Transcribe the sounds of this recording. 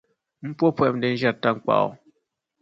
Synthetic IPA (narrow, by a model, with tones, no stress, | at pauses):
m̩˦pwɔ˦pwɛ˨p̚mn˨dɛ˨n̩˦d͡ʒa˦tːa˦˨ŋ˨k͡pa̰˨ʔɔ̰˨